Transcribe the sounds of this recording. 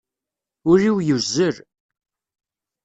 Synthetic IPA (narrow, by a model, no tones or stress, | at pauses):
ʊɾiwjuzːəɾ